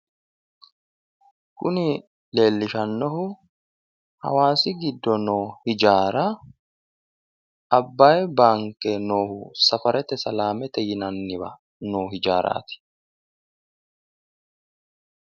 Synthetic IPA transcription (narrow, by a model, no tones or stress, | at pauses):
kʊnɪ | le̞ːlːɪʃɐnːɔhʊ | hɐ̰waːsɪɡɪd̪ːɔnoːhɪd͡ʒaːɾɐ | ɐbːajbaːŋkːɛno̞ːhʊsɐfɐɾʔɛt̪ɛsɐlaːmɛt̪ɛjɪnɐnːɪbɐ̰ | noːhɪd͡ʒaːɾʔa̰ːt̪ɪ̥